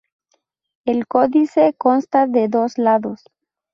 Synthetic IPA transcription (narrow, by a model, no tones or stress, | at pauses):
elko̞ðiseko̞nst̪aðeðo̞slaðos